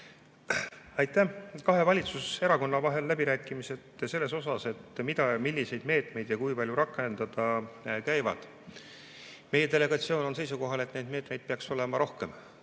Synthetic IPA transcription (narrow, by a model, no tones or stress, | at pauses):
ɑjt̪ːˑækɑɦe̞vɑlʲit̪suse̞ɾɑko̞nːɑvɑɦe̞lːæbiɾæːkːˑimise̞d̪se̞lːe̞so̞s̬ɑse̞t̪mid̪̥ɑmilʲːise̞jd̪me̞ːt̪ˑme̞jd̪̥jɑkujpɑlʲjuɾɑkːˑe̞nd̪̥ɑd̪̥ɑkæjvɑ̰d̪̥ | me̞je̞d̪e̞le̞ɡ̥ɑt̪sio̞ːno̞ns̬e̞jsuko̞ɦɑle̞t̪ːˑne̞d̪̚me̞ːt̪me̞jd̪̥̚peɑkso̞le̞mɑɾo̞hke̞m